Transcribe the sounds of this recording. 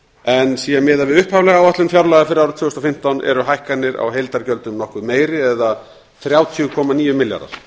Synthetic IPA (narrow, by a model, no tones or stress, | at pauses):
ɛnsiːɣamɪːðavɪðʏhphavlɛɣawat̪lʏnfjawɾlaɣafɪɾawɾʏt̪ʰvʏːʏst̪ɔfɪm̥t̪awnʔɛ̰ɾʏɦajhkanːɪɾa̰wɦejlt̪aɾcœlt̪ʏmnɔhkʏmeːjɾɪɛða | θɾjaːwt̪ʰiʏkʰɔːmaniːjʏmɪlja̰ɾða̰ɾ̥